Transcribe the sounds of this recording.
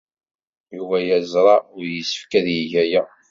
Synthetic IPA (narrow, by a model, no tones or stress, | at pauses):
juvæjæzɾˤɑʊɾjəsə̥fkæðjiʝæjæ